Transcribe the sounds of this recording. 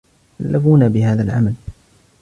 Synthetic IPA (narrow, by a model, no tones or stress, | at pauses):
kalːʔafuːnabɪhaːðalʕamal